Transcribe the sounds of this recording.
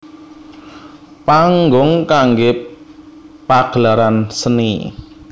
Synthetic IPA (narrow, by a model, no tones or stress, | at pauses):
paŋɡʊŋkaŋɡe | paɡ̥laɾansənḭ